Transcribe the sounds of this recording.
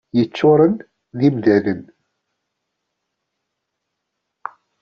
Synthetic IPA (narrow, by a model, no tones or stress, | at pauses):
jət͡sːʊɾˤən | ðimðæðən